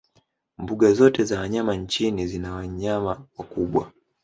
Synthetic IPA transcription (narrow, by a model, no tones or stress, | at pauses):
mbuɠazɔtɛzawaɲamaɲt͡ʃinizinawaɲamawakuɓwa̰